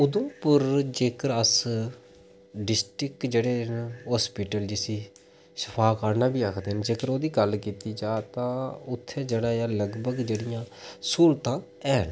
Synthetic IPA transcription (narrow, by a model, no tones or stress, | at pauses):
ʊd̪õːpəɾd͡ʒeːkəɾəs | ɖɪsʈɾɪkd͡ʒeːɽeːɦɔːspiːʈəld͡ʒɪsiː | sə̥pʰaːkaːɾnãːbiːəkʰd̪eːnd͡ʒeːkəɾoːd̪iːɡəlkiːt̪iːd͡ʒaːt̪ãːʊt̪ʰːẽːd͡ʒeːɽaːjaːləɡbəɡd͡ʒeːɽɪjãː | suːlt̪ãː | ɛːən